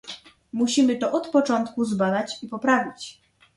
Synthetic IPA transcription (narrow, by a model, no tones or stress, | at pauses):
muɕimɘt̪ɔʔɔt̪pɔt͡ʂɔnt̪kuzbad̪at͡ɕipɔpɾavʲit͡ɕ